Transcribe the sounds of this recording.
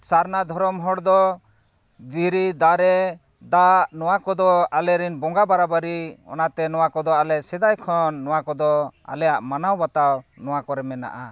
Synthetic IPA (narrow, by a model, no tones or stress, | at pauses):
saɾnad̪ʱɔɾɔmɦɔɽd̪ɔ | d̪iɾid̪aɾɛ | d̪aʔnɔwakɔd̪ɔalɛɾinbɔŋɡabaɾabaɾiɔ̰nat̪ɛnɔwakɔd̪ɔalɛʔsɛd̪ajkʰɔnːɔwakɔd̪ɔa̰lɛjaʔmanawbat̪awnɔwakɔɾɛmɛna̰ʔa̰